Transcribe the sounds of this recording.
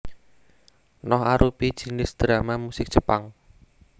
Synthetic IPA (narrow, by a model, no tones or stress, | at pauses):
nɔɦaɾʔupid̥ʒ̥inɪsd̪̥ɾamamusɪk̚dʒ̥əpaŋ